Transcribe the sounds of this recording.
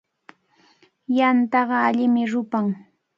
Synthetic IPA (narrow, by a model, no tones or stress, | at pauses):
jant̪ɑɢɑaʎɪmɪɾʊpaŋ